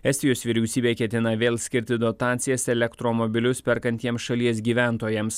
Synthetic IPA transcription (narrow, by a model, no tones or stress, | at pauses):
ɛsʲt̪ʲɪjoːsʋʲiːɾʲɛʊsʲiːbʲeːkʲɛt̪ʲɪnɐʋʲeːlˠsʲkʲɪɾʲt̪ʲɪd̪ot̪ɑːt̪sʲɪjɛsɛlʲɛkt̪ɾomɔbʲɪlʲʊspʲɛɾkɐnʲt̪ʲiɛmsʃɐlʲiɛsɡʲiːʋʲæˑnt̪oːjɛms